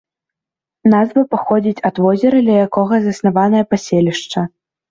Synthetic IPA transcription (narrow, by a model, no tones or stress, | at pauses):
nazvɐpaxɔd͡zʲit͡sʲɐd̪vɔzʲɛɾɐd̪lʲɐjakɔɣɐzɐsnavanɐjɐpasʲelʲiʂt͡ʂɐ